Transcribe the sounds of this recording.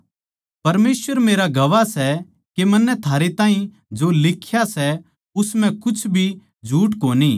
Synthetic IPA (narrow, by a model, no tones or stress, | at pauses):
pɐɾmeːsʋəɾmeːɾaɡɐʋasɛ | kemɐnːɛt̪ʰaːɾet̪ãːɦĩ | d͡ʒolɪkʰjasɛ | ʊsmɛ̃kʊt͡ʃʰbʱi | d͡ʒʱuːʈkoːniː